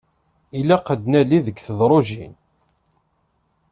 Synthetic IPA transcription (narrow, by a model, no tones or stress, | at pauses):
ilæqəd̪næliðəkθəðˤɾˤoʒin